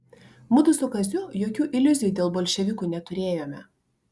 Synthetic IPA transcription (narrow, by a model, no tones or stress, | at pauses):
mʊd̪ʊsʊkɐzʲʊjoːkʲuːʔɪlʲʊzʲɪjuːd̪ʲeːlˠboːlʲʃʲɛʋʲɪkuːnʲɛt̪ʊɾʲeːjoːmʲɛ